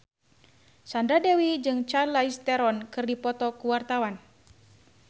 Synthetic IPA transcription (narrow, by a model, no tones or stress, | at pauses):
sandɾadɛwid͡ʒɨŋt͡ʃalaist̪ɛɾɔnkɨrdipɔt̪ɔkuwart̪awan